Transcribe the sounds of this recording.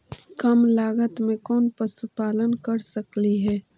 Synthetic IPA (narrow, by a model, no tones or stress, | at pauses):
kɐmlaːɡət̪mẽkɔːnpɐsupaːlənkɐɾsɐkliɦɛː